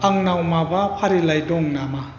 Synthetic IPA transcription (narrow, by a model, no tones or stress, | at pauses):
aŋnawmabapʰaɾilajdɔŋnama